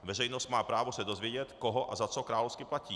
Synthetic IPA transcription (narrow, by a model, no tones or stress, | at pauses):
vɛrɛjnost̪maːpɾaːvosɛdo̞zvjɛɟɛt̪koɦoʔazat͡sokɾaːlofskɪplaciː